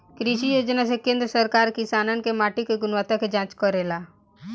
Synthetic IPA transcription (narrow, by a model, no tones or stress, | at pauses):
kɾiʃijoːd͡ʒnasekẽːnd̪ɾəsəɾkaːɾkɪsaːnənɪ̆kemaːʈikeɡʊnʋaːt̪ãked͡ʒãːt͡ʃkɔɾelaː